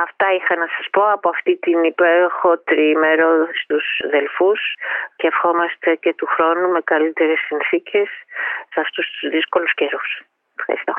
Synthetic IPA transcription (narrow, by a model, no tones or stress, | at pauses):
ɐft̪ɐixɐnɐsɐspo̞ɐpoɐft̪it̪inipe̞ɾo̞xo̞t̪ɾimeɾost̪usðe̞lfusceːfxo̞mɐst̪e̞ce̞t̪uxɾo̞nume̞kɐlit̪e̞ɾe̞sːinθicʰe̞sːɐft̪ust̪uzðisko̞lusce̞ɾus | efxɐ̰ɾist̪o̞